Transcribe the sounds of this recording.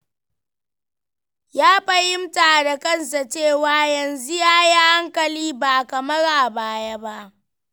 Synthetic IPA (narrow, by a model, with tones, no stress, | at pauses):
jaː˦ɸɐ˦hɪ˦mta˨da˨kɐ˦˨nsa˨t͡ʃeː˦˨waː˨˦jɐ˨nzu˦jaː˦jaː˦ha˦ŋkɐ˨liː˦ba˨kɐ˨mɐ˦ɽa˨baː˦ja˦ba˦ʔ